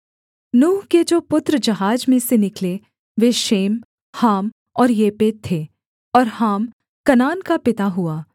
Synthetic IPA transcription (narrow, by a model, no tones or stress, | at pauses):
nuːɦked͡ʒoːpʊt̪ɾd͡ʒɐɦaːd͡ʒmẽsenɪkle | ʋeːʃeːm | haːm | ɔːɾjeːpeːt̪ʰːeː | ɔːɾhaːm | kɐnaːnkapɪt̪aɦuaː